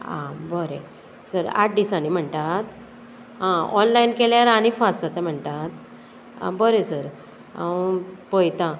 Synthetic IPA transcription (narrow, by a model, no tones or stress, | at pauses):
ã̰bəɾẽ | səɾa̰ʈ̚ɖisañim̤əɳt̪at̪ | ɦãɔnlainkeljaɾaɽ̃ifasət̪ɛm̤əɳt̪at̪ | a̰bəɾesəɾ | awpojt̪ã